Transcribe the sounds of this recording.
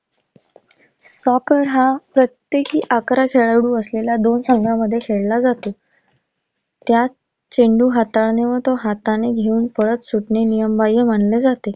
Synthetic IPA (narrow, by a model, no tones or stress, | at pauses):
sɔkəɾɦapɾət̪jekiːʔakɾakʰeɭaɽuːəslelad̪onsəŋɡãməd̪ʱːjekʰeɽlad͡zat̪o | t̪ja | t͡ɕeɳɖuːɦat̪aɭneʋəɾt̪ɔɦat̪aneɡʱeuːnpəɭət̪suʈɳenijəmbajəm̤aɳled͡zat̪e